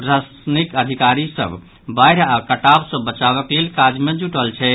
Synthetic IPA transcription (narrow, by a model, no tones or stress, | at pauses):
ɾas | nikəd̪ʱikaɾisə̰bʱ | bajɾakəʈabsə̃bət͡ʃaβəklelkad͡ʒmed͡ʒuʈəlt͡ʃʰɛ